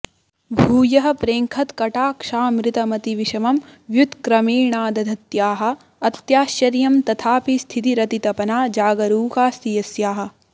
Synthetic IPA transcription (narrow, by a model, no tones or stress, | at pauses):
bʱuːjɐɦɐ̆pɾeːŋkʰɐt̪kɐʈaːkʂaːmɾit̪ɐmɐt̪iʋiʃɐmɐmʋjut̪kɾɐmeːɳaːd̪ɐd̪ʱɐt̪jaːɦɐ̆ː | t̪jaːʃjɐɾjɐmt̪ɐt̪ʰaːpist̪ʰit̪iɾɐt̪it̪ɐpɐnaːd͡ʒaːɡɐɾuːkaːst̪ijɐsjaːɦɐ̆